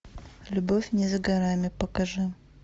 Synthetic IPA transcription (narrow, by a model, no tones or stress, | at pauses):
lʲʊbofʲnʲɪzɡɐɾamʲɪpəkɐʐɨ